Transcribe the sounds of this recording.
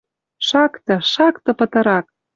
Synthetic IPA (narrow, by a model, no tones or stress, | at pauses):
ʃɑkt̪ɤ̆ʃɑkt̪ɤ̆pə̆t̪ɤ̆ɾɑk̚